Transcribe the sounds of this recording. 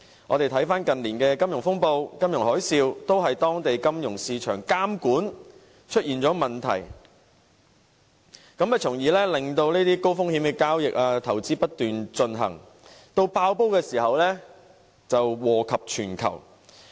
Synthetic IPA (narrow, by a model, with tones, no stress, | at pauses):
ŋɔ̰ː˨˧t̪e˨jt̪ʰɐ˨˥jfaː˥nkɐ˨nliː˨˩nkɛː˧kɐ˥mjʊ˨˩ŋfʊ˥ŋpo˧wkɐ˥mjʊ˨˩ŋhɔː˨˥jsiː˧wt̪o˥wɦɐ˨jt̪ɔː˥ŋt̪e˨jkɐ˥mjʊ˨˩ŋsiː˨˧t͡ʃʰœː˨˩ŋkaː˥mkuː˨˥n | t͡ʃʰɵ˥t̚ʔiː˨˩nt͡sɔː˨˥mɐ˨nt̪ʰɐ̰˨˩j | kɐ˨˥mɛ˨t͡sʰʊ˨˩ŋjiː˨˧lɛː˥lɪ˨ŋt̪o˧wneː˥t̪iː˥ko˥wfʊ˥ŋhiː˨˧˥mkɛː˧kaː˥wjɪ˨k̚aː˧t̪ʰɐ˨˩wt͡siː˥pɐ˥t̚t̪ːyː˨nt͡sɵ˧nɦɐ̰˨˩ŋ | t̪o˧wpaː˧wpo˥wkɛː˧siː˨˩hɐ˨wlɛː˥ | t͡sɐ˨wwɔː˨kʰɐ˨p̚t͡ʃʰyː˨˩nkʰɐ̰˨˩w